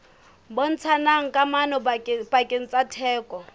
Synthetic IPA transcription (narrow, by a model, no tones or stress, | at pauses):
bon̩t͡sʰanaŋ̩kʼamanɔpʼakʼɪn̩t͡sʼatʰɛːkɔ